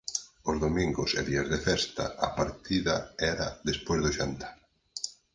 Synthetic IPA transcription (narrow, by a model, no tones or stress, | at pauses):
ozðomĩŋɡʊsḛðiazðefɛst̪a̰ʔapaɾt̪iðaɛɾaðespojzðʊʃant̪ḁ